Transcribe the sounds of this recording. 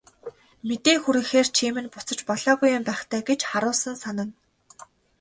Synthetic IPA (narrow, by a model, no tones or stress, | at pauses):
met̪eːŋxuɾɘ̆ŋxeːrt͡ɕʰemɘ̆npʊt͡sə̆t͡ɕpɔɮɔːɣujːʊmpæːχt̪ʰæːɡet͡ɕχaɾʊːsə̆nsanə̆n